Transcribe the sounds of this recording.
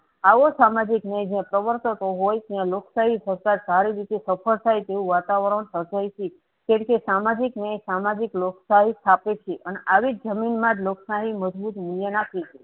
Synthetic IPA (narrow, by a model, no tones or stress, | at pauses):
aʋosamad͡ʒiknəjd͡ʒjãpɾəʋəɾt̪ət̪oɦojt̪jãloksaɦisəɾkaɾsaɾiɾit̪esəpʰəɭt̪ʰajt̪eũʋat̪aʋɾəɳsəɾd͡ʒajt͡ʃʰe | keɽkesamad͡ʒiknəjsamad͡ʒikloksaɦit̪ʰapet͡ʃʰeʔəneʔaʋid͡ʒəminmãd͡ʒ̪loksaɦiməd͡ʒbut̪muljənakʰit͡ʃʰe